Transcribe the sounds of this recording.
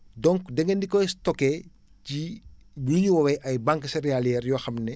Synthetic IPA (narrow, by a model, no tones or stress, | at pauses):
dɔŋkdɛŋɡɛndikɔjstɔkɛ | ci | wiɲiwɔwɛʔɐjbaŋksɛɾɛalɛːrjɔːxɐmnɛ